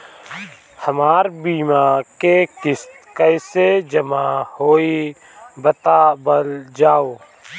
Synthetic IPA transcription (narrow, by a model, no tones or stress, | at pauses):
həmaːɾbiːmakekɪst̪kəɪsed͡ʒəmahoːi | bət̪aːbəld͡ʒaːoː